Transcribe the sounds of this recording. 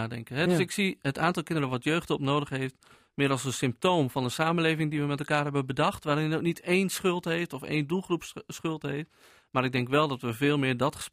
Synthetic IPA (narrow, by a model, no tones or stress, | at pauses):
aːdɛ̰ŋkənɦɛdsɪksiətaːntɑlˠkɪndəɾənʋɔtjøːχtɔpnoːdəχɦejft | mɪːəɾɑlˠsəsɪmp̚toːmvɑndəsaːmənleːvɪŋdiʋəmɛtɛlˠkaːɹɦɛbəbədɑχtʋaːɾɪnoknitejnsχʏlˠtɦejftɔfḛːndulˠχrupssχɵlˠtɦejft | maːɾɪɡ̚dɛŋkʋɛlˠdɑtʋəvɪːlˠmɪːɹdɑtχə̥